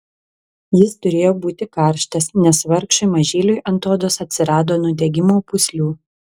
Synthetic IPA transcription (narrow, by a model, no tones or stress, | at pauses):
jɪst̪ʊɾʲeːjoːbuːt̪ʲɪkɑˑɾʲˑʃt̪ɐsnʲɛsʋɐɾkʃʊmɐʒʲeːlʲʊjʔɐnt̪oːd̪oːsɐt̪ʲsʲɪɾɑːd̪oːnʊd̪ʲɛɡʲɪmoːpʊsʲlʲuː